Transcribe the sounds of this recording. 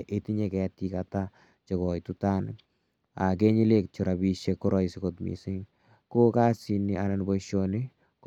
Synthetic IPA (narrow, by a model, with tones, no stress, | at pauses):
ʔe˦ti˦ɲekɛ˨ti˦kata | t͡ʃe˨kɔ˨jtuta˦n | a̰˨k̬e˦ɲi˦le˦kt͡ʃuɾa˨bi˦ʃekːo˦ɾʔɔ˦sikotmḭ˨sɪ˦ŋ | ko˦ka˦si˨nia˨na˨nbo˦ʃoni˦ | k